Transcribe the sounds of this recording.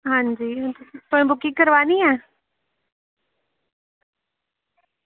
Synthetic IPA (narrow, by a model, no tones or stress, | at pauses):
ɦãːɲd͡ʑiːt̪oːɦɪ̃bʊkikɐɾʋaːniãː